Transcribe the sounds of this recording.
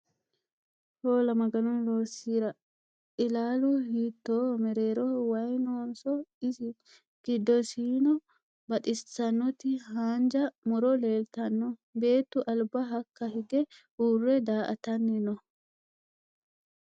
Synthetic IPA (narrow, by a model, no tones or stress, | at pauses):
hoːlɐmɐɡɐnɔnloːɾsiːɾɐ | ʔɪlaːlʊhiːt̪ːoːmɛɾe̞ːɾɔwɐjnoːnsɔɪsɪ | ɡ̥ɪd̪ːɔsiːnɔ | bɐᶑʼɪssɐnːɔt̪ːɪɦaːnd͡ʒɐmɔɾɔle̞ːlt̪ɐnːɔbe̞ːt̪ːʊʔɐlbɐɦɐkːɐɦɪɡɛʔuːrːɛd̪aːʔɐ̰t̪ɐnːɪnɔ